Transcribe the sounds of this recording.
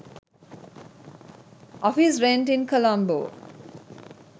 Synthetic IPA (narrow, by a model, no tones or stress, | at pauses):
ʔɔfisɾẽɳʈĩnkʰəlʌ̃mbo̰ː